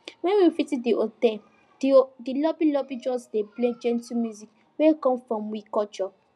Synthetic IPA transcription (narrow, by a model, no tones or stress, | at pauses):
wɛ̃nwifitidiʔotɛ | ddilɔbilɔbid͡ʒɔsdepled͡ʒɛ̃ntumjuzik | wekɔ̃mfɹɔ̃mwikɔt͡ʃɔ